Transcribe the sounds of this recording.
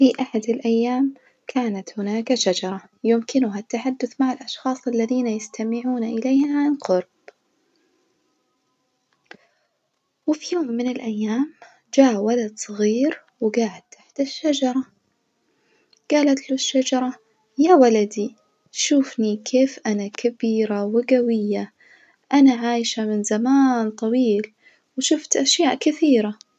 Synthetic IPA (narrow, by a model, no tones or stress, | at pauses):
fiʔaħad̪ɪlʔajːaːm | kʰaːnat̪hʊnaːkaʃad͡ʒɑɾˤɑ | jɪmkɪnʊɦat̪ːaħad̪ːʊθmaʕɪlʔɑʃxɑːsˤalːaðiːnajɪst̪ʰamɪʕuːnaʔɪleːhaʕanqʊɾˤb̥ | wɪfijoːmːɪnɪlʔajːaːm | d͡ʒaːwalad̪sˤɑɣiːɾ | wɡaːʕad̪t̪aħd̪̥aʃːad͡ʒɑɾˤɑ | ɡ̥aːlat̪luʃːad͡ʒɑɾˤɑ | jaːwalad̪i | ʃuːfnikʰeːfʔanakʰabiːɾawɪɡawɪjːa | ʔanaʕaːjʃamɪnzamaːnt̪ˤɑwiːl | wʃʊft̪ʔaʃjaːʔkɪθiːɾa